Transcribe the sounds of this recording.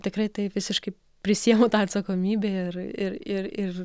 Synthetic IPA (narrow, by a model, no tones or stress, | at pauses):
t̪ʲɪkrɐɪt̪ɐɪʋʲɪsʲɪʃkɐɪ | pʲɾʲɪsʲijɛmoːt̪ɑːɐt̪sɐkoːmʲiːbʲeɪrɪrɪrɪr